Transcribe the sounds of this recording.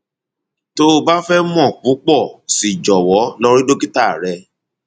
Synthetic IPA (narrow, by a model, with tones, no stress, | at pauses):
to˦˧ba˦fɛ˦mɔ̃˦˨k͡pu˨˦k͡pɔ˦˨si˨d͡ʒɔ˨wɔ˨˦lɔ˧ɾi˦do˦ki˦ta˦˨ɾɛ˧